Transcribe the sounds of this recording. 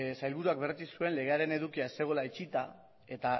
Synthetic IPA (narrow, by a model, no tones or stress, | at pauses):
sajlβ̞uɾuak̚be̞ɾt͡s̪isue̞nle̞ɣ̞e̞aɾe̞ne̞ðukiaese̞ɣ̞o̞lait͡ʃit̪a | e̞t̪a